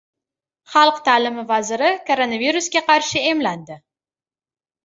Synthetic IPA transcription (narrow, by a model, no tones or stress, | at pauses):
χɑlˠqt̪ʰaːlɪmɪvazɪɾɪkʰoɾonaviɾuskʲaqʰɑɾʃɪe̞mland̪ɪ